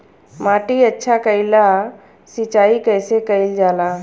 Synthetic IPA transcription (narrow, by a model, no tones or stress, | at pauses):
maːʈiɐtːʃʰakəɪla | sɪt͡ʃaːikəɪsekəɪld͡ʒaːlaː